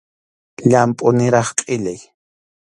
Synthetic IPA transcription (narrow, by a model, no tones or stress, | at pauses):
ʎampʼʊnɪɾɑχqʼɪʎaj